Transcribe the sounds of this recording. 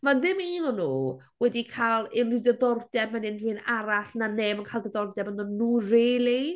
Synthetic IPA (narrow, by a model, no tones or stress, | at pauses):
maðɪmiːnɔnuː | wɛdikʰalˠɪnrɪdɛðɔrdɛb̚manɪnrɨnaɾaɬnanɛːmənkʰaːlˠdəðɔrdɛbənɔnuːreːlˠi